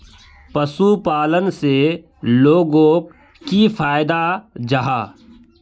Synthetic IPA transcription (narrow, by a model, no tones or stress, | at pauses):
pəsupaːlənse | loːɡõk | kifʰaːɪd̪ad͡ʒaɦaː